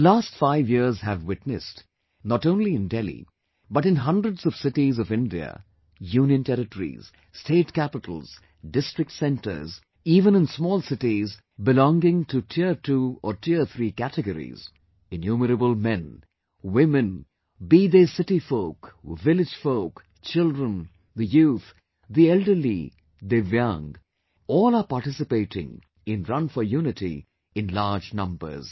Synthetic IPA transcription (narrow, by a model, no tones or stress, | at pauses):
lastfaɪvjiɹzɦɨvwɪtnɨst | nɔʈõʊ̃nliɨ̃ndɛlḭ | bʌɾɨ̃nɦʌ̃ndɹədzʌv̥sɪʈizʌvɪ̃ndiə̰ | jũːnjə̃ntʰɛɾɨʈəɹḭz̥ | stʰeɪtkæpɪtʰəl̩ˠz̥ | dɪstɹ̥ɨk̚tsɛ̃ntə̰˞z | iːvə̃nɨ̃nsmɔːlˠsɪʈiz | bɪlɔ̃ŋɡɪ̃ŋtʰutʰɪətʰuɔtʰɪət̪ʰɹikætɨɡəɾḭz | ɪ̃njuːməɾəbəlˠmɛ̃n | wɪmɨ̃n | biðesɪʈifoʊkvɪlɪd͡ʒ̥foʊk | t͡ʃɪldɹə̃n | d̪əjuːθ | d̪iɛldə˞lḭ | d̪evjʌ̃ŋɡ | ɔːlˠapaʈɪsɨpeɪʈɪ̰̃ŋ | ɪ̃nɾʌ̃nfəjunɪtḭ | ɪ̃nlaːd͡ʒnʌ̃mbə̰˞z̥